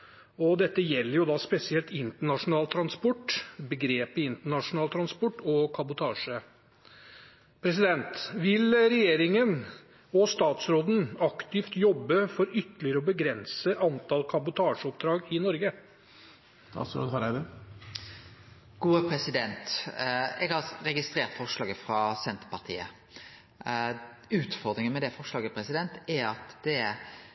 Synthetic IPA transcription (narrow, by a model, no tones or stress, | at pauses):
ɔd̪ɛt̪ːəjɛlːəɾjʊd̪ɑːspɛsɪɛlt̪ɪnt̪əɳɑʂʊnɑːlt̪ʰɾɑnspɔʈːbəɡɾeːpəɪnt̪əɳɑʂʊnɑːlət̪ʰɾɑnspɔʈːɔkʰɑbʊt̪ʰɑːʂə | pʰɾɛs̬ɪd̪ɛnt̪ʋɪlɾɛjeːɾɪŋən | ɔst̪ɑːt̪sɾoːd̪n̩ɑkt̪ɪft̪jɔbːəfɔɾʏt̪ːəlɪəɾəɔbəɡɾɛnsəʔɑnt̪ɑlkʰɑbʊt̪ʰɑːʂəɔp̚d̪ɾɑːɡɪnɔɾɡə | st̪ɑ̰ːt̪sɾo̰ːd̪hɑɾæd̪ɛ | ɡ̥uːəpʰɾɛsɪd̪ɛnt̪ | ɛɡɑɾɛɡɪst̪ɾeːɾt̪fɔʁʂlɑːɡəfɾɑsɛnt̪ə̥pɑʁt̪ʰḭːə̰ | ʉːt̪fɔɾd̪ɾɪŋənmɛd̪ɛfɔʂɭɑːɡəpʰɾɛsɪd̪ɛnt̪æɑt̪d̪̥ɛ